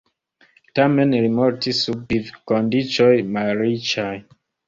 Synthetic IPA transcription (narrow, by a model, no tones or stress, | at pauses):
tamenɾimɔɾtisubivkondit͡ʃɔjmaɾit͡ʃaj